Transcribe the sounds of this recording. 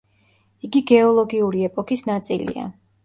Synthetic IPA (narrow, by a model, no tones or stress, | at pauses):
iɡiɡɛɔlˠɔɡiuɾiɛpʼɔkʰisnat̪sʼilḭa̰